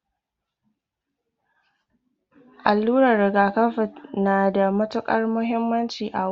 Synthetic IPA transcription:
ʔa˨lːuː˦ɾɐ˨rːɪ˨ɡaː˨kɐ˦ɸɪ˨tnaː˨da˨mɐ˦tʊ˦kʼɐ˦rmʊ˦ɦɪ˦mːɐ˦nt͡ʃiː˨ʔa˨

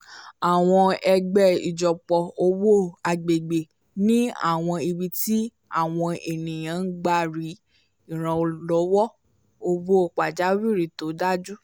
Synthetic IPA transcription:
a˨w̃ɔ̃˧ɛ˧ɡ͡bɛ˦˨i˨d͡ʒɔ˨k͡pɔ˧o˧wo˦a˧ɡ͡be˨ɡ͡be˨ | nĩ˦a̰˦˨w̃ɔ̃˧i˧bi˧ti˦ | a̰˦˨w̃ɔ̃˧e˨nĩ˨j̃ã˨˦n̩˦ɡ͡ba˦˨ɾi˨˦ | i˦˨ɾ̃ã˧o˧lɔ˨˦wɔ˦ | o˧wo˦˨k͡pa˨d͡ʒa˨˦wi˦˨ɾi˨to˨˦da˦d͡ʒu˦

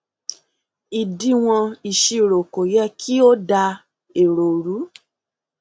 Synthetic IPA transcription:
i˨di˧˦w̃ɔ̃˧i˨ʃi˧˨ɾo˨ko˨jɛ˦kʰi˦o˦da˧ | e˨ɾo˨ɾu˨˦

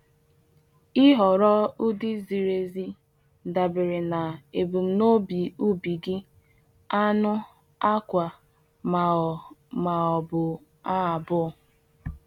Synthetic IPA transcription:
i˦ɦɔ˨ɾɔ˦ʊ˦di˦zi˨ɾe˨zi˦ | da˨bɪ˨ɾɪ˨na˨e˨bu˨m̩˦no˦bi˨u˦bi˨ɡɪ˦ | a˦nʊ˦ | a˦kʷa˨ | ma˨ma˨ɔ˨bʊ˨ | a˦˨bʊ˦˨

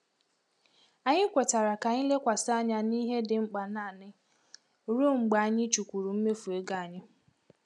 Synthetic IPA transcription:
a˨ɲɪ˦kʷo˨ta˨ɾa˨ka˨ɲɪ˦le˦kʷa˨sa˦ɲa˦ni˦ɦe˦dɪ˨ŋ͡m̩˦k͡pa˨na˦˨nɪ˦ | ɾo˦ŋ͡m̩˨ɡ͡ba˨a˨ɲɪ˦t͡ʃu˨kʷu˨ɾu˨m̩˦me˦fu˨e˦ɡa˨a˨ɲɪ˦

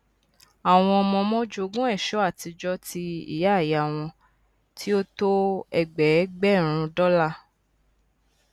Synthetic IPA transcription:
a˨w̃ɔ̃˧ɔ˧mɔ̃˧mɔ̃˦d͡ʒo˦˧˨ɡũ˦ɛ˦˨ʃɔ˨˦a˦˨ti˧d͡ʒɔ˦ti˧ḭ˦˨ja˦˨ja˨w̃ɔ̃˧ | tʰi˦o˦to˦ɛ˨ɡ͡bɛ˨˦ɡ͡bɛ˦˨ɾ̃ũ˧dɔ˦la˦˨

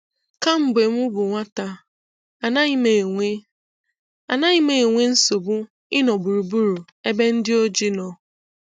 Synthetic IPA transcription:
ka˦m̩˨be˨mʊ˦bʊ˨ŋʷa˦ta˨ | a˨na˦me˨ŋʷe˦ | a˨na˦ɲɪ˦me˨e˨ŋʷe˦n̩˦so˨bʊ˦ | ɪ˦nɔ˨bu˨ɾu˨bu˦ɾu˨ | e˦be˦n̩˦dɪ˦o˦d͡ʒi˦nɔ˨

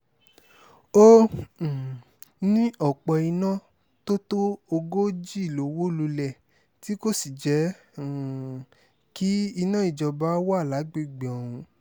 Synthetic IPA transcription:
õ˦˨ | nĩ˦ʔɔ˨k͡pɔ˧i˧nã˦ | to˦to˦o˧ɡo˦d͡ʒi˦i˦˨lo˨˦wo˦lu˧lɛ˨ | ti˦ko˦si˨d͡ʒɛ˨˦˨ | ki˦i˧nã˦i˦˨d͡ʒɔ˧ba˨˦wa˦˨la˨˦ɡ͡be˦˨ɡ͡be˨ɔ˨ɾ̃ũ˧

